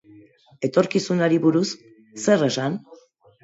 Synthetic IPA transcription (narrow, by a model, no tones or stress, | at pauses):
e̞t̪o̞ɾkisunaɾiβuɾusː | e̞re̞san